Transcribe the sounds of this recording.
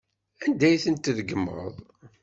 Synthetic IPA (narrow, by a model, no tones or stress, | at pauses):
ænd̪æjθənt̪ðəɡəmːə̰ðˤ